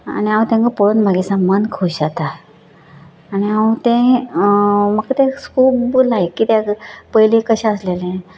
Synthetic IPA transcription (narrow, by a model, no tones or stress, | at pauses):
a̰niãwũt̪ãŋkəpoɽənbʱaɡesamənkʰuɕat̪a | niat̪ẽ | məkt̪ẽkʰuːpblaekiːt̪japəjlikəɕɛ̃əslelɛ̃